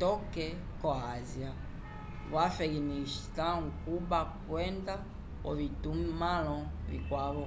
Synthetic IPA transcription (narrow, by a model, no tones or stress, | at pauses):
tɔkɛ | kɔazia | βwafɛɡinistaŋkubakwɛnda | ɔ̰βitummalɔ̃βḭkwaβɔ